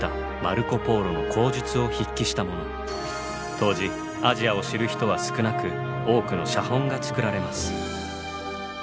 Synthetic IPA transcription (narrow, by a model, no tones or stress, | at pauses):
t̪a | maɾɯ̟ko̞po̞ːɾo̞no̞kʰo̞ːʑɨt͡sɨo̞çikʲːiɕi̥t̪amo̞no̞ | t̪ʰo̞ːʑi | aʑiao̞ɕiɾɯ̟çi̥t̪o̞β̞asɨ̥kɯ̟nakɯ̟ | o̞ːkɯ̟no̞ɕahõ̞ŋɡat͡sɨ̥kɯ̟ɾaɾe̞masɨ̥